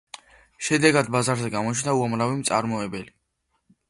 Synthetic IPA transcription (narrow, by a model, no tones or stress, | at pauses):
ʃɛd̪ɛɡad̪bazaɾzɛɡamɔt͡ʃʰnauamɾavimt̪sʼaɾmɔɛbɛli